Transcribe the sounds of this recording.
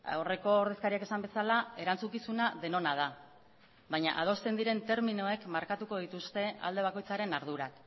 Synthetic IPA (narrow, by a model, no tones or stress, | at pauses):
are̞ko̞ːɾðe̞skaɾiake̞sambe̞salae̞ɾant͡sukisunaðe̞no̞naða | βajɲa̰ʔað̞o̞st̪e̞nd̪iɾe̞nt̪e̞ɾminoe̞kmaɾkat̪uko̞ð̞it̪ust̪e̞a̰ld̪e̞β̞ako̞jt͡saɾe̞naɾð̞uɾak